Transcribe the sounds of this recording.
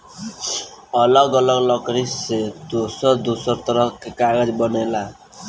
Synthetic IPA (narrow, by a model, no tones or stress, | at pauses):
ʌlʌɡʌlʌɡlʌkɾised̪osʌɾd̪osʌɾt̪ʌɾʌkːekaɡʌd͡ʒbʌnela